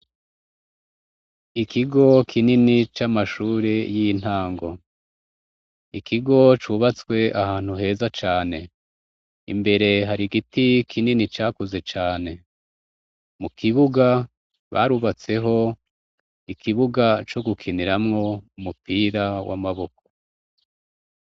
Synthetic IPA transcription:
ikʰiɡo̞kʰininit͡ʃamaʃuːɾejijin̥haːŋɡo̞ | ikʰiɡo̞t͡ʃuβat͡swe̞ʔahaːn̥huɦe̞ːzat͡ʃaːne̞ | ḭmbe̞ɾe̞ɦaɾiɡitikʰininit͡ʃaːkuze̞t͡ʃaːne̞ | mukʰiβuɡa | βa̰ɾuβat͡se̞ɦo̞ | ikʰiβuɡat͡ʃo̞ɡukʰiniɾamŋo̞umupʰiːɾawʔa̰maβo̞kʰo̥

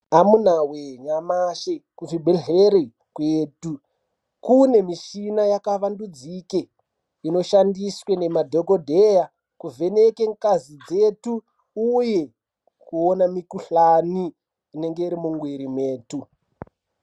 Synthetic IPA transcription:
amunaweɲamaʃekuʐibʱeɮeɾe | kweːdu | kune̞miʃinajakaʋandud͡zike | ino̞ʃandiswene̞madʱoko̞dʱeja | kuvʱe̞nekeŋkazid͡ze̞tu | uje̞ | kuonamikuɬaniː | ne̞ŋɡe̞iɾimuŋɡwiɾimeːtu

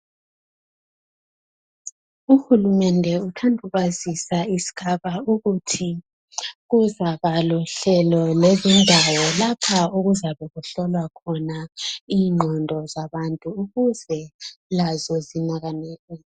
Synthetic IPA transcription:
uxulumɛndʱɛutʰandʱuβazisaisi̥ɣʰaβauɣutʰi | ɣuzaβalɔɬɛlɔlezindʱawɔlapʰauɣuzaβɛɣuɬɔlwakʰɔnaiːŋ͡ǃʱɔndʱɔzaβantʼuːɣuzɛlazɔzinaɣaneːɣɛ

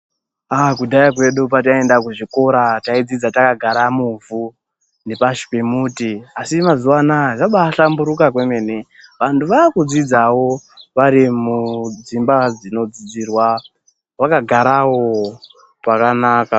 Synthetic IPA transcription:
akudajakwe̞ɗupat̬ae̞ndak̬uʐiko̞ɾataid͡zid͡zatakaɡʱaɾamuɱvu | ne̞paʃi̥pemuːtiasimazuwanaʐaɓaɬambuɾukakweme̞ne | ʋantʰuʋakud͡zid͡zawo̞ʋaɾimud͡zimbad͡zino̞d͡zid͡zirwa | ʋakaɡʱaɾawo | pakanaːka

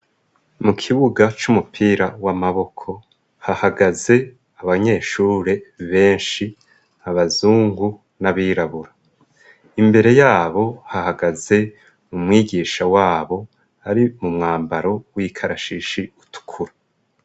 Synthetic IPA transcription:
mukʰiβuɡat͡ʃumupʰiːɾawamaβo̞kʰo̞ | hahaɡaze̞ | aβaɲe̞ːʃuːɾe̞βe̞ːnʃi | aβazuːŋɡu | naβiːɾaβuɾa | imbe̞ɾe̞jaːβo̞hahaɡaze̞ | mumŋiːɟiːʃawaːβo̞ | aɾimumŋaːmbaɾo̞wikʰaɾaʃiʃiutʰu̥kʰuɾa

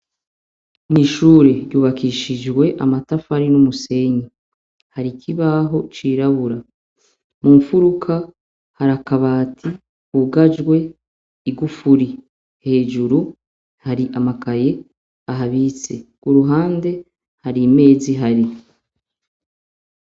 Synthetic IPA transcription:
niʃuːɾe̞ɾjuːβakiʃid͡ʒɡwe̞ʔa̰matafaɾinumuse̞ɲi | haɾikʰiβaɦo̞t͡ʃiːɾaβuɾa | muɱfuɾukʰa | haɾakaβaːtʰi | huɡad͡ʒɡwe̞ | iɡufuɾi | he̞ːʒuɾu | haɾiʔamakaje̞ | aɦaβit͡se̞ɡ̥uɾuɦaːnde̞ | haɾime̞ːziɦaɾi

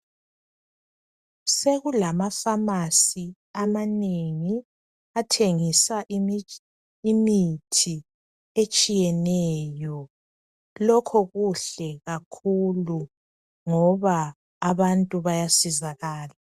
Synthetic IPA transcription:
seɣulamafamasi | amaneŋi | atʰeŋisaʔ | mitʰi | et͡ʃʼijɛnɛjɔ | lɔkʰɔɣuɬɛɣakʰulu | ŋɔβaː | βantʼuβajasizaɣaːla

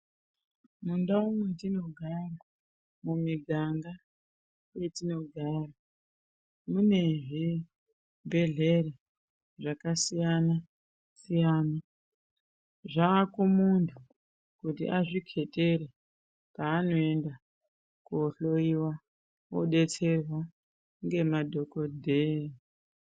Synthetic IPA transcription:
mundaumwetino̞ɡʱara | mumiɡʱaŋɡa | je̞tino̞ɡʱara | mune̞ʐi | bʱe̞ɮe̞ɾe | ʐakasijana | sijaːna | ʐaːkumuntʰu | kutḭʔaʐikʰe̞te̞ɾe | paːno̞e̞nda | kuɬoiwa | woɗe̞t͡se̞rwa | ŋɡe̞madʱo̞kodʱei

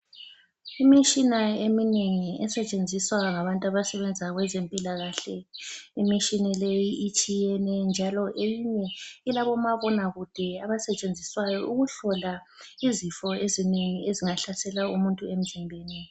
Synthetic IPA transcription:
imit͡ʃʼinaemineŋiɛsɛt͡ʃʼend͡zʱiswaŋaβantʼaβasɛβɛnd͡zʱaɣwɛzempʼilaɣaɬɛimit͡ʃʼinilejiʔit͡ʃʼijɛnɛnd͡ʒʱalɔʔejiɲɛilaβɔmaβɔnaɣud̥ʱɛaβasɛt͡ʃʼend͡zʱiswajɔʔuɣuɬɔla | izifɔezineŋieziŋaɬasɛlaumuntʼuem̩zimbʱeːni

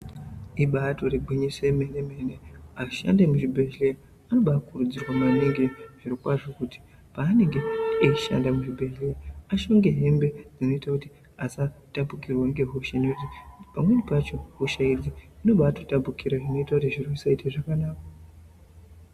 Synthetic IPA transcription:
iɓato̞reɡʱwiɲisemeneme̞neaʃa̰ndemuʒibʱeɮe | ano̞ɓakurud͡zirwamaniŋɡeʐ̥iɾikwaʐo̞kuti̥ | paːne̞ŋɡe̞eiʃa̰ndamuʐibʱe̞ɮleaʃo̞ŋɡe̞ɦe̞mbe̞d͡zino̞itakuti | asatabʱukirwaiŋɡe̞ɦuʃanekutipamwe̞nipat͡ʃo̞ɦuʃaid͡ziino̞ɓato̞tabukiɾaʐino̞itakutiʐirosaiteʐakanaːkḁ

